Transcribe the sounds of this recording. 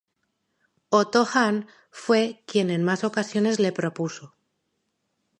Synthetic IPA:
ot̪oxan | fwe̞kje̞ne̞nmaso̞kasjo̞ne̞zle̞pɾo̞puso

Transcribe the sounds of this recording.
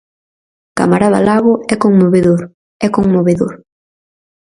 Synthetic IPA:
ka̰maɾaða̰laɣʊɛkoŋmoβeðoɾ | ɛkoŋmoβeðoɾ

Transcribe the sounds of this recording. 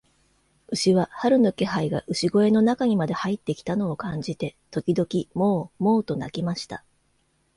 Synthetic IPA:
ɯ̟ɕiβahaɾɯ̟no̞ke̞ɦaiɡa̰ʔɯ̟ɕiɡo̞e̞no̞nakaɲ̟imad̪e̞hait̪ːe̞kʲi̥t̪ano̞ːkãɲ̟d͡ʑit̪e̞t̪o̞kʲid̪o̞kʲimoːmo̞ːt̪o̞nakʲimaɕi̥t̪a

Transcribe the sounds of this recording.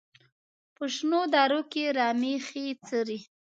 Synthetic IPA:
pəʃnod̪ɑɾokeɾɑmixit͡səɾi

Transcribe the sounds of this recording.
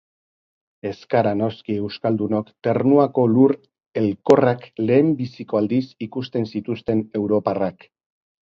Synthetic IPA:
e̞skaɾano̞skie̞wskald̪uno̞kt̪e̞rnuako̞luɾ | e̞lko̞rakle̞ːmbisiko̞ald̪isikust̪e̞nsit̪ust̪e̞ne̞wɾo̞parak

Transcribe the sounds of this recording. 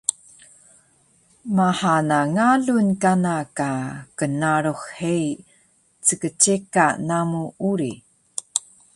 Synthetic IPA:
mahanaŋaɮunkanakakənaɾoxhej | t͡səkət͡ɕekanamuuɾi

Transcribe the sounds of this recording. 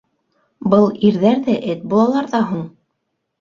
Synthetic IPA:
bɤlˠiɾðæɾðæʔɘt̪̚bulˠɑlˠɑɾðɑɦuɴ

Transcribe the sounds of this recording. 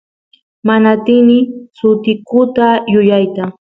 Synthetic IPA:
manat̪ɪnɪsʊt̪ɪkʊt̪ajʊjajt̪a

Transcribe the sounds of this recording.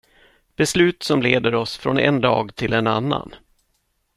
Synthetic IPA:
b̥ɛslʉ̟ːt̪sɔmleːd̪əɾɔsfɾɔnɛ̰nd̪ɑ̰ːɡt̪ʰɪlɛnanːa̰n

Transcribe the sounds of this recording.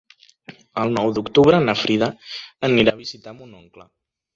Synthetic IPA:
əlˠnɔwd̪ukt̪uβɾənəfɾiðəəniɾaβizit̪amunɔŋklə

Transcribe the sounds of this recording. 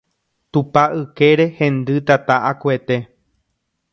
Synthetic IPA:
t̪upaʔɨke̞ɾe̞hẽ̞nd̪ɨt̪at̪aʔakue̞t̪e̞

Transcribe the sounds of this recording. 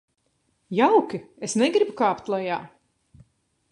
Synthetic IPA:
jawkʲiesnɛɡɾibukaːpt̪lˠajaː

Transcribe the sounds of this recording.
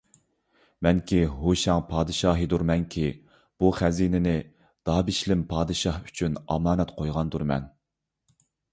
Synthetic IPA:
mɛnkʲiɦoʃɛŋpʰɑːd̪ɨʃɑːɦɨd̪uɾmɛnkʲʰi | b̥uχæziːnɪnɪ | d̪̥ɑːbiʃlɪmpʰɑːd̪ɨʃɑhy̥t͡ʃʰynɑ̰mɑːnɛt̪qʰojʁɑnd̪uɾmɛ̰n

